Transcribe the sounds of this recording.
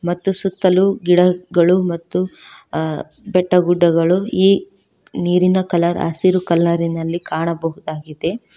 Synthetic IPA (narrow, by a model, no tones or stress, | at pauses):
mɐt̪ːusut̪ːɐluɡiɽɐɡɐɭumɐt̪ːu | bɛʈːɐɡuɖːɐɡɐɭuiː | niːɾinɐkɐlɐɾa̰ːsiɾukɐlːɐɾinɐlːikaːɳɐbɐɦud̪aːɡid̪e̞